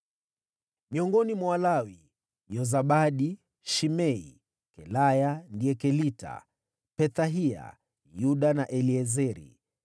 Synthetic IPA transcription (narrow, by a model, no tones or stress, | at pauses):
miɔŋɡɔnimwawalawi | jɔzaɓaɗi | ʃimɛi | kɛlajandiɛkɛlita̰ | pɛθaɦia̰ | juɗanaʔɛliɛzɛɾḭ